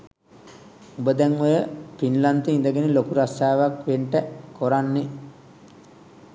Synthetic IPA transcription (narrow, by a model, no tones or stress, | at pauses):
ubəd̪ɛŋʋojəpinlant̪eind̪əɡenilokuɾasaːʋakʋeɳʈəkoɾanːe